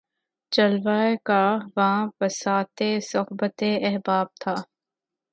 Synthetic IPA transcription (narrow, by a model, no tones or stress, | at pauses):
t͡ʃɐlʋaːekaːʋɐɦãbɐsaːt̪esʊɦbət̪eʔɛɦbaːb̚t̪ʰaː